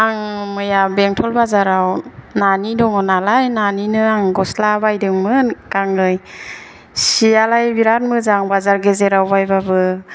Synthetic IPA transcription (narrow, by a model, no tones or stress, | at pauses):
aŋmɯjabeŋtʰɔlbazaɾawnanidɔŋɔnalajnaninɯaŋɡɔslabajdɯŋmɯnkaŋɯj | sialajbiɾat̚mɯzaŋbazaɾɡezeɾawbajbabɯ